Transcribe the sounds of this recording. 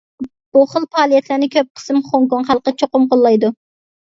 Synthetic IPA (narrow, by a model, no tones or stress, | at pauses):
buχəlˠpʰɑːlˠijɛt̪ʰlænɪkʲʰøp̚qʰə̥sɨmχoŋkoŋχælˠqət͡ʃʰoqʊmqolˠːɑjd̪u